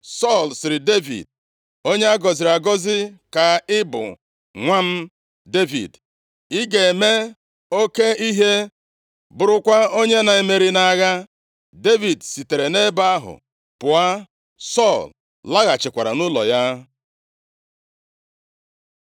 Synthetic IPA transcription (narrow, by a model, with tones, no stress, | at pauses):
sɔ˦˨lsɪ˨ɾɪ˨de˦vḭ˨d̚ | o˦ɲe˦a˦ɡɔ˨zɪ˨ɾa˨ɡɔ˦zɪ˦ka˨ɪ˦bʊ̰˨ | ŋʷa˦n̩˦ | de˦vḭ˨d | i˦ɡe˨me˦ | o˦ke˦i˦ɦe˦ | bʊ˨ɾʊ˦kʷa˦o˦ɲe˦na˨e˨me˨ɾi˦na˦˨˦ɣa˦ | de˦vi˨dsi˨te˨ɾe˨ne˦ba˦ɦʊ̰˨ | pʊ˨a˦ | sɔ˦˨l | la˦ɣa˨t͡ʃɪ˨kʷa˨ɾa̰˨nʊ˦lɔ̰˨ja˦